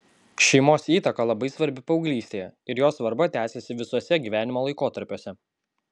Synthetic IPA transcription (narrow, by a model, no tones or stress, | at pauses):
ʃʲɛɪmoːsiːt̪ɐkɐlˠɐbɐɪsʋɐɾʲbʲɪpɐʊɡlʲiːsʲt̪ʲeːjɛɪɾjoːsʋɐɾbɐt̪ʲæːsʲesʲɪʋʲɪsoɔsʲɛɡʲiːʋʲæːnʲɪmoːlˠɐɪkoːt̪ɐɾʲpʲoːsʲɛ